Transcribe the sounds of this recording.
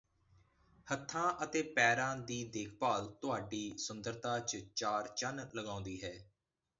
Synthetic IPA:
hət̪ʰːãːʔət̪eːpɛːɾãːd̪iːd̪eːkʰpaːlt̪ʊɦaːɖiːsʊnd̪əɾt̪ãːt͡ʃt͡ʃaːɾt͡ʃənləɡãːʊ̃nd̪iːɦɛː

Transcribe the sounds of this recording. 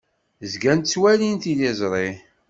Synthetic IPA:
zɡænt̪t͡sːwælinθilezˤɾˤi

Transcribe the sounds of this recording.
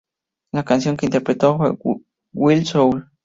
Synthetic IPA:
lakans̬joŋkeint̪eɾpɾet̪owa | wilsowl

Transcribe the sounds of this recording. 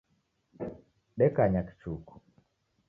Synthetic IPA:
ɗɛkaɲaki̥t͡ʃuku̥

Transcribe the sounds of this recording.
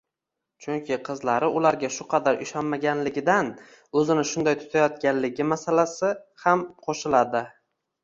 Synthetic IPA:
t͡ʃʰʊŋkʲʰɪqʰɨzlaɾɪʊlaɾɡʲaʃʊqʰɑd̪aɾɪʃɒnmaɡʲanlɪɡʲɪd̪an | ɵzɪnɪʃʊnd̪ajt̪ʰʊ̥t̪ʰajɒt̪̚kʲanlɪɡʲɪmasalasɪhamqʰoʃɪlad̪ɪ

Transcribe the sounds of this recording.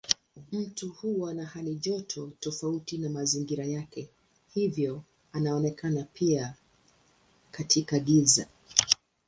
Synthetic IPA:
m̩tuhuwanahaliʄɔtʰɔtɔfautinamaziŋɡiɾajakɛ | hivjɔ | anaɔnɛkʰanapʰia | katʰikaɠiza

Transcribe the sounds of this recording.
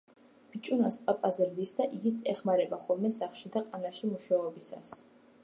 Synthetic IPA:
b̥it͡ʃʼunaspʼapʼazɾd̪isd̪aʔiɡit̪sʼɛχmaɾɛbaχɔlˠmɛsaχʃid̪aqʼanaʃimuʃaɔbisa̰s

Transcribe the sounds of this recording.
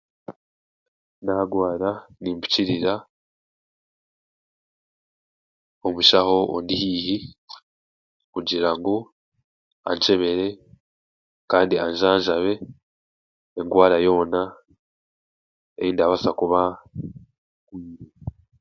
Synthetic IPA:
naɡwaːɾaniːmbiciɾiɾa | omuʃaho̞ʔo̰ndihiːhi | kuɟiɾaŋɡo | a̰ɲt͡ʃe̞βe̞ɾe̞ | kaːndiaɲʒaːɲʒaβe̞ | ŋɡwaːɾajo̞ːna | ḛjiːndaβasakuβa | kwiːɾe

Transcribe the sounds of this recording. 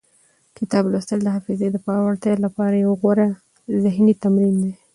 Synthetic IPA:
kɪt̪ɑblost̪əld̪əɦɑfɪzed̪əpɑwaɽt̪jɑlapɑɾajawɣwaɾa | zɪhnit̪amɾind̪e

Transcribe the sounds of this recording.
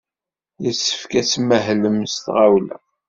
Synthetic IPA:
jəsːə̥fkæsməɦləmst̪ʁawlæ̰

